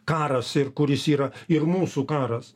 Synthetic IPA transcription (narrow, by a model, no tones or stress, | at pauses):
kɑːɾɐsɪɾkʊɾʲɪsiːɾɐɪɾmuːsukɑːɾɐs